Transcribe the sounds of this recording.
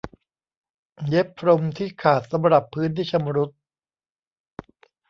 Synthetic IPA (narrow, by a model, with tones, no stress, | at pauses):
je˦˥pʰːɾo˧mt̪ʰiː˥˩kʰaː˨˩t̪̚sa˩˦mɾa˨˩pʰːɯː˦˥nt̪iː˥˩t͡ɕʰa˧mɾu˦˥t̪̚